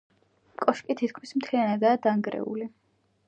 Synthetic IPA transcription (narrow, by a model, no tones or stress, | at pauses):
kʼɔʃkʼit̪ʰit̪̚kʰmismt̪ʰlianad̪aːd̪aŋɡɾɛ̰ṵli